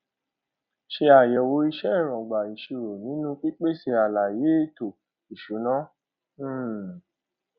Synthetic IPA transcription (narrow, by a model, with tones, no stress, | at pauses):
ʃe˧a˨jɛ˨wo˨˦i˧ʃɛ˦˨ɾ̃ɔ̃˨ɡ͡ba˨i˨ʃi˧ɾo˨nĩ˨˦nũ˦k͡pi˦k͡pe˦˨se˧a˨la˨je˨˦e˦˨to˨ | i˨ʃo˨˦nã˦˨